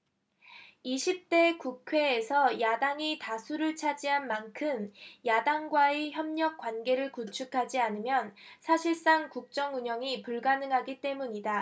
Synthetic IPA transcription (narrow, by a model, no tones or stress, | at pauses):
iɕʰip̚t͈e̞kukʰwe̞ːsʰʌjadaŋitasʰuɾɯɭt͡ɕʰad͡ʑiɦanmankʰɯmjadaŋɡwaeçjʌmɲʌk̚k͈wanɡe̞ɾɯɭkut͡ɕʰukʰad͡ʑianɯmjʌnsʰaɕʰiɭs͈aŋkuk̚t͡ɕ͈ʌŋuɲʌŋipuɭɡanɯŋɦaɡit͈e̞muɲida